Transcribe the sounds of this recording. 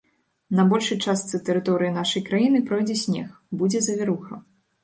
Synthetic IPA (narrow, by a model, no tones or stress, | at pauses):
nɐbɔlʲʂɨt͡ʂast̪sɨt̪ɛɾɨt̪ɔɾɨjin̪aʂɐjkɾajinɨpɾɔjd͡zʲɛsʲnʲɛ̰x | bud͡zʲɛzɐvʲɛɾuxɐ